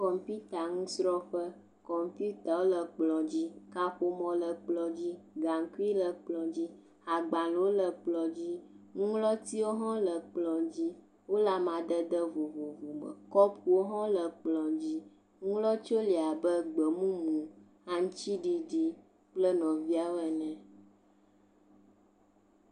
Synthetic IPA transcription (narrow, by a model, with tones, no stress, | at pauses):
kɔ˨m˨pi˦t̪a˨ŋũ˦sɾɔ˦ɸə˦ | kɔ˨m˨˦pju˦t̪a˨wo˦lə˨k͡plɔ̃˨d͡ʑi˦ka˦ɸo˦mɔ̃˨lə˨k͡plɔ˨d͡ʑi˦ɡa˨ŋ˨ku˦i˦lə˨k͡plɔ̃˨d͡ʑi˦ | a˨ɡ͡ba˨lwo˦lə˨k͡plɔ˨d͡ʑi˦ŋũ˦lɔ˦t̪i˦wo˦ɦɔ̃˦lə˨k͡plɔ̃˨d͡ʑi˦ | wo˦la˨mã˨d̪ə˦d̪ə˦vo˨vo˨vo˨mə̰˨kɔ˦pu˨wo˦ɦɔ̃˦lə˨k͡plɔ̃˨d͡ʑi˦ | ŋũ˦lɔ˦t͡ʃo˦li˨a˨bə˦ɡ͡bə˨mũ˦mũ˨ | a˦ŋ̩̃˦t͡ʃi˦ɖi˨ɖi˦ | k͡plə˦nɔ̃˨vi˦a˦wɛ˨nɛ̃˨